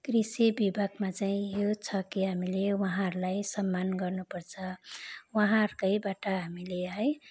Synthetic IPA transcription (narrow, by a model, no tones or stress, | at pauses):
kɾisibibʱaɡmat͡saĩjot͡sʰʌkiɦamilewʌɦãɾulajsʌmːanɡʌrnupʌɾt͡sʰʌwʌɦãɾkʌjbaʈaɦamileɦʌj